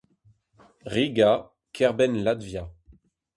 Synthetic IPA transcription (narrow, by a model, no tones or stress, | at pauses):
ʁiɡa | kʰɛʁbɛnlad̪vja